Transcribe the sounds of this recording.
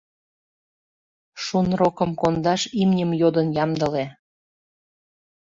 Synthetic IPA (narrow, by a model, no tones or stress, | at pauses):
ʃunrokəmkond̪ɑʃimnʲəmjod̪ənjɑmd̪əle